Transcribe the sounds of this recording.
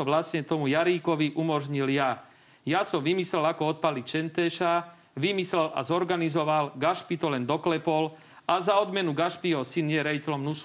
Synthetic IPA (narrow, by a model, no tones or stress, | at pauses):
ɔʋlasɲɛt̪ɔmujaɾiːkɔʋiʔumɔʒɲilja | jasɔmʋimislɛlakɔɔt̪̚palit͡ʃɛnt̪ɛʃa | ʋimislɛla̰zɔɾɡanizɔʋalɡaʃpit̪ɔlɛnd̪ɔklɛpɔl | azaɔd̪mɛnuɡaʃpijɛɦɔsinjɛɾɛjicɛlɔmnusu